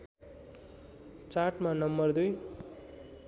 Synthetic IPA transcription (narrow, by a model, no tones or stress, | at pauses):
t͡saʈmanʌmːʌrd̪uj